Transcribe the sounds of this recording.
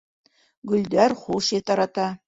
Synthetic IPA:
ɡɵ̆ld̪æɾχuʃet̪ɑɾɑt̪ɑ

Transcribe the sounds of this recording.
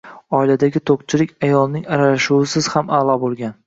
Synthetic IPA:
ɒilad̪aɡʲɪt̪ʰoqt͡ʃʰɪlɪkʲajɒlˠnɪŋaɾalaʃuwɪsɪz̥hamalˠɒbolˠɡʲan

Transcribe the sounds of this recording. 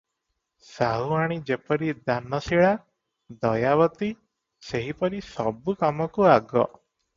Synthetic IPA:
saɦuaɽ̃id͡ʒepɔɾid̪anːɔsiɭa | d̪ɔjaʋɔt̪i | seɦipɔɾisɔbukɔmɔkuaɡɔ̰

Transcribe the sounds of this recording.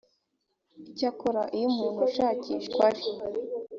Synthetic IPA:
icakoɾaʔijomuːn̥huʃaːciːʃkwaɾi

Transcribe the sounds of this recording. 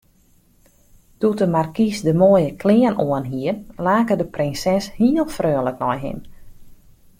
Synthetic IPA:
tutəmarkisdəmoəjəkʰlɪənoənɦiərlaːkədəprɪnsɛshiəlˠfrøːləknɔjɦɪ̰n

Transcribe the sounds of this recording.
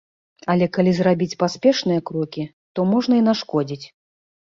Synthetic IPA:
ɐlʲɛkalʲizrabʲit͡sʲpasʲpʲɛʂnɨjɐkɾɔkʲi | t̪ɔmɔʐnɐinaʂkɔd͡zʲit͡sʲ

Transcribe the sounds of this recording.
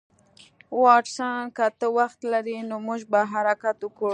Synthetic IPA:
wɑʈsɑnkat̪əwaxt̪laɾinomuʒbaɦaɾakat̪ukoɽ

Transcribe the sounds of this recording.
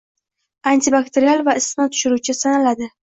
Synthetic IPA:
ant̪ʰibakt̪ʰeɾialˠvaɪsmat̪ʰʊ̥ʃɪɾut͡ʃʰɪsanalad̪ɪ

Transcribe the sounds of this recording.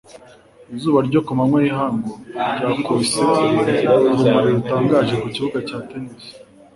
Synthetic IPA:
izuːβaɾɟokumamŋwejiɦaːŋɡoɟaːkʰose | ɾumaɾeβutaːŋɡaːʒe̞kuciβuɡacaːteneze̥

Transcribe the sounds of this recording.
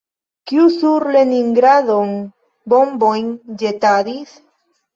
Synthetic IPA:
kiusuɾleniŋɡɾaðoŋ | bombojnd͡ʒet̪aðis

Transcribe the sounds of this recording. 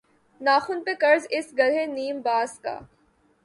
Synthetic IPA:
naːxʊnpekɐɾzɪsɡɐlɦẽniːmbaːska̰ː

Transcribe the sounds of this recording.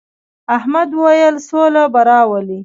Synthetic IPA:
ahmad̪wəwajəlsolabaɾɑwəli

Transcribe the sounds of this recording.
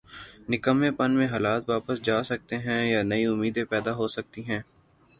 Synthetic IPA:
nɪkəmːẽpənmẽɦaːlaːt̪ʋaːpəsd͡ʒaːsɐk̚t̪eɦɛ̃jaːnɐiʊmːiːd̪ẽpɛːd̪aɦoːsɐk̚t̪iɦɛ̃ː

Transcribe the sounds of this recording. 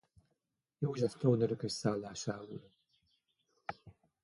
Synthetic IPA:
joːʒɛst̪ownøɾøkøʃsaːlːaːʃaːṵl

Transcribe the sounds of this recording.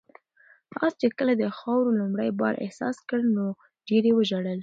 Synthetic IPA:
ɑ̰st͡ʃekəlad̪əxɑwɾolumɽəjbɑ̰ɾʔḛhsɑ̰skəɽno | ɖeɾjewəʒaɽəl

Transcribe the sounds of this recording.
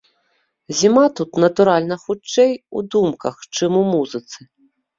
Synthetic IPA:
zʲimat̪ut̪nɐt̪uɾalʲnɐxut͡ʂɛjṵd̪umkɐxt͡ʂɨmumuzɨt̪sɨ

